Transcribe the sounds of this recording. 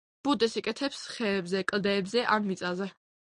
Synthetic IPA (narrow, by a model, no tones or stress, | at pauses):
b̥ud̪ɛsikʼɛt̪ʰɛpsχɛːbzɛkʼlˠd̪ɛːbzɛʔamːit̪sʼazɛ